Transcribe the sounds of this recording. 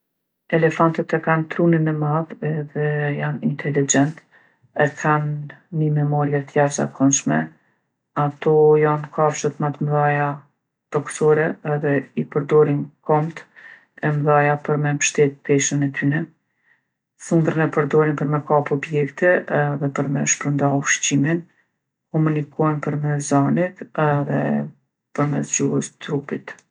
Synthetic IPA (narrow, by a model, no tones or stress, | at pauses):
ɛlɛfant̪ət̪ɛkant̪ɾuninɛmaðɛðɛjanint̪ɛlid͡ʒɛnt̪ | ɛkʰanːimɛmɔɾijɛt̪əjavza̰kʰɔnʃmɛ | at̪ɔjankʰafʃət̪mat̪mðaja | t̪ɔksɔɾɛɛðɛipəɾd̪ɔɾinkɔmt̪ | ɛmðajapəɾmɛnpʃt̪ɛt̪̚pɛʃənɛt̪ynɛ | sund̪ɾənɛpəɾd̪ɔɾinpəɾmɛkapɔbjɛkt̪ɛðɛpəɾmɛʃpɾənd̪aufʃt͡ɕimin | kɔmunikɔnpəɾmɛs̬zanit̪ɛðɛ̰ | pəɾmɛsd͡ʑuɦəst̪ɾupit̪